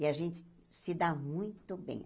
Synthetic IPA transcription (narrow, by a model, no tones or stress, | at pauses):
ɪaʒẽnt͡ʃɪ̥ | sɪd̪amũj̃t̪ʊbḛ̃j̃